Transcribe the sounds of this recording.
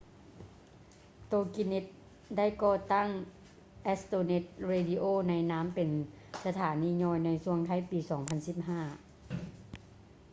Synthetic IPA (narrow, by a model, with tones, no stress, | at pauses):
t̪oː˧ki˧ne˧˥t̪̚ | da˥˩˨jkɔː˧˩t̪a˥˩ŋ | ʔɛ˦˥st̪oː˧ne˧˥t̪̚ɾeː˧di˧ʔoː˥˨na˧jnaː˦˥mpe˨n | sa˧t̪ʰaː˩˦niː˧˥ɲɔː˧˩jna˧jsu˧əŋkʰa˧˥˩jpiː˨sɔː˩˦ŋpʰa˧˥nsi˧˥˩p̚ɦaː˥˩